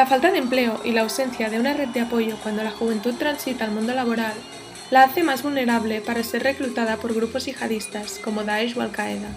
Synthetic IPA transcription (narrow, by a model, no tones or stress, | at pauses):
lafalt̪aðemple̞oʔilaːwse̞nθjað̞e̞unaret̪̚d̪eapo̞ʝo̞kwand̪o̞laxuβ̞e̞nt̪ut̪t̪ːɾansit̪aːlmũnd̪o̞laβo̞ɾalː | aaθe̞mazβulne̞ɾaβle̞paɾase̞rre̞klut̪að̞apo̞ɾɣ̞ɾupozʝixaðist̪asko̞moðaeʒwa̰lkaeða